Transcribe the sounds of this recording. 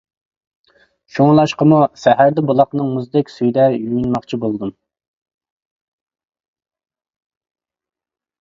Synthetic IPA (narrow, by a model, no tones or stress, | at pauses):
ʃoŋlˠɑʃqəmusæɦæɾd̪ɛbulˠɑqnɨŋmuzd̪ɛkʲsyjd̪ɛjyjynmɑqt͡ʃʰibolˠd̪um